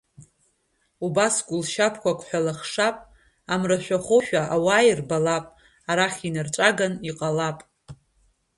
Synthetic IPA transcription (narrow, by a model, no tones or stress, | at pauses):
ubasɡʷʼʊlʃapʰkʷʰakʷʰʼħʷᶣalaχʂapʼ | amraʃʷᶣaχoʃᶣaawajirbalapʼ | aɾaχʲinɨrt͡ʃʷʼaɡaniqʼalapʼ